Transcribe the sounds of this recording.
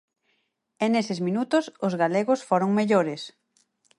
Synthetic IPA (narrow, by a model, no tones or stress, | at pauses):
enesɪzmĩnut̪ʊsʊzɣaleɣʊsfoɾoŋmeʎoɾɪs